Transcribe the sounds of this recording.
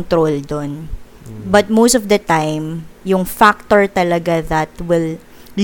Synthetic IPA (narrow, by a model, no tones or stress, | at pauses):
nt̪ɾold̪on | bɐt̪̚mowsɔvd̪ɐt̪ajmjʊŋfak̚t̪oɹt̪ɐlɐɡaðɐt̪wɪl